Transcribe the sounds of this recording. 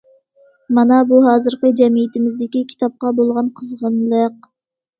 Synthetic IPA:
mɑnɑbuɦɑːzɨɾqəd͡ʒɛmijɪt̪ɪmɪzd̪ɪkʲikʲʰi̥t̪ɑp̚qɑbolˠʁɑnqʰəzʁəmlˠəq

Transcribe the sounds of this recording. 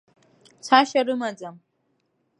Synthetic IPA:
saʃaɾɨmad͡zam

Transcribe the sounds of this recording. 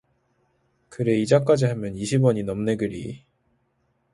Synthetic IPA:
kɯɾe̞id͡ʑak͈ad͡ʑiɦamjʌniɕʰibwʌɲinʌmne̞ɡɯɾḭ

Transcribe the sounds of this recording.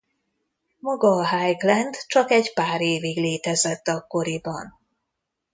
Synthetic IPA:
mɒɡɒːɦajɡlɛnd̪t͡ʃɒkɛɟpaːɾeːviɡleːt̪ɛzɛt̪ːɒkːo̞ɾibɒn

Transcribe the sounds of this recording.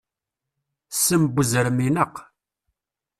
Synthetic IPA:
səmbuzəɾminəq

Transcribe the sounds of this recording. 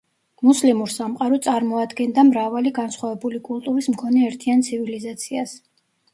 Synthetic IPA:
muslimuɾsamqʼaɾɔt̪sʼaɾmɔad̪ɡɛnd̪amɾavaliɡansχwavɛbulikʼulˠt̪ʼuɾismkʰɔnɛːɾt̪ʰiant̪sʰivilizat̪sʰias

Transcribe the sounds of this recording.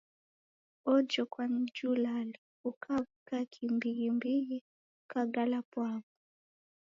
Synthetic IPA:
ɔd͡ʒɔkwand͡ʒulali | ukʰavukakʰimbiɣimbiɣi | ukaɡalapwaβu

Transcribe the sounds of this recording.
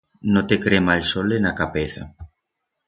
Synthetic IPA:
not̪ekɾemalsolenakapeθa̰

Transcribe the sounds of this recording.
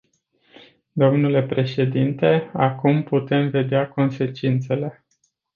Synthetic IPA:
d̪o̞mnule̞pɾe̞ʃe̞d̪int̪e̞akumput̪e̞mve̞d̪eako̞nse̞t͡ʃint̪se̞le̞

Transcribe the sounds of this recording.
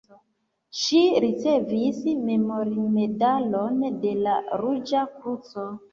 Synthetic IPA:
ʃiɾit͡se̞visme̞mo̞ɾime̞dalonde̞laɾud͡ʒakɾut͡so̞

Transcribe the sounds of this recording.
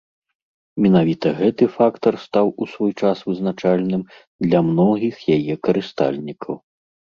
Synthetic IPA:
mʲɛnavʲit̪ɐɣɛt̪ɨfakt̪ɐrst̪awusvɔjt͡ʂasvɨznat͡ʂalʲnɨm | d̪lʲɐmnɔɣʲixjajɛkɐɾɨst̪a̰lʲnʲikʰɐw

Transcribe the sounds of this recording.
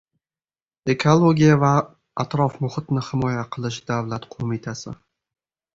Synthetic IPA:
e̞kʰolˠoɡʲijava | at̪ɾɒfmʊχɨt̪nɪhɪmɒjaqʰɨlˠɪʃd̪̥avlat̪qʰomɪt̪ʰasɪ̰

